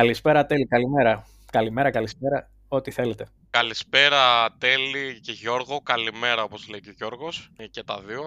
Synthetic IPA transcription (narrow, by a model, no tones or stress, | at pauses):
kɐlispe̞ɾɐt̪e̞likɐlime̞ɾɐ | kɐlime̞ɾɐkɐlispe̞ɾɐ | o̞t̪iθe̞le̞t̪e̞ | kɐlispe̞ɾɐt̪eliceʝo̞ɾɣo̞kɐlime̞ɾɐo̞po̞zleiceʝo̞ɾɣo̞scet̪ɐ̰ðio